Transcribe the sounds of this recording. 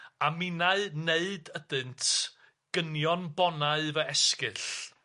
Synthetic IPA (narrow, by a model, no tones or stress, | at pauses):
amɪnaɨneɨdəd̥ɨntʰ | ɡ̥ənjɔnbɔnaɨvəɛskɨɬ